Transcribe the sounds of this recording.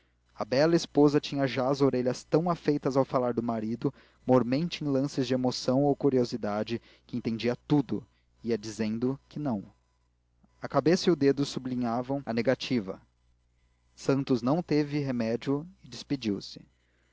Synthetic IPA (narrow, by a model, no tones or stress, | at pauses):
ɐbɛlɐispozɐt͡ʃĩɲɐʒaɐzoɾeʎɐst̪ɐ̃w̃afejt̪ɐzawfalaɾd̪ʊmaɾid̪ʊ | moɾmẽnt͡ʃɪẽj̃lɐ̃sɪzd͡ʒɪemosɐ̃w̃owkuɾiozid̪ad͡ʒɪ | kɪẽnt̪ẽnd͡ʒiɐt̪ud̪ʊ | iɐd͡ʒizẽnd̪ʊkɪnɐ̃w̃ | ɐkabesɐiʊd̪ed̪ʊsublĩɲavɐ̃w̃ɐneɡat͡ʃivɐ̰ | sɐ̃nt̪ʊznɐ̃w̃t̪evɪɦemɛd͡ʒʊɪd͡ʒɪsped͡ʒiwsɪ̥